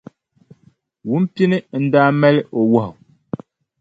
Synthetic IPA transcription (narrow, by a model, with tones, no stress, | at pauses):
wu˦m˦pi˦nɨ˦n̩˦daː˦mɛ˦lɪ˦ʔo˨wa˦hʊ˨